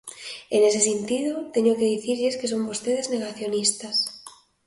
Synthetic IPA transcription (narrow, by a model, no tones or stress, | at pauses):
enesesent̪iðot̪eɲokeðiθiɾʎeskeso̞mbo̞st̪eð̞ezne̞ɣaθjo̞nist̪as